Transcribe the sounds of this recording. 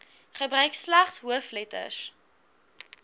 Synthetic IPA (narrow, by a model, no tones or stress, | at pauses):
χəbɾœɥkslæχsɦuəflɛtə̰s